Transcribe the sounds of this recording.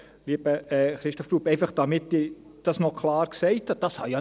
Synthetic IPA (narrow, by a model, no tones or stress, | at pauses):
liːb̥əɛχɾɪʃtɔfɾuːpɛɪfɑχd̥ɑmɪtːɪ | d̥ɑsnɔkʰlɑːɾksɛɪthɑd̥ɑshɑja